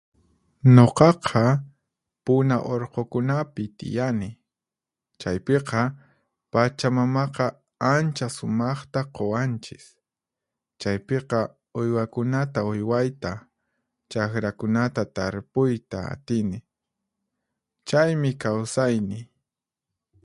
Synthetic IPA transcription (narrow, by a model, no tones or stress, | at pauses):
ɲoqɑqʰɑ | pʊnaʔoɾqokʊnapɪt̪ɪ̰janɪ | t͡ʃajpeqɑ | pat͡ʃamamɑqɑ | ant͡ʃasʊmɑχt̪aqowant͡ʃɪ̥s | t͡ʃajpeqɑ | ʊjwakʊnat̪aʊjwajt̪a | t͡ʃakɾakʊnat̪at̪aɾpʊjt̪aa̰t̪ɪnɪ | t͡ʃajmɪkawsajnɪ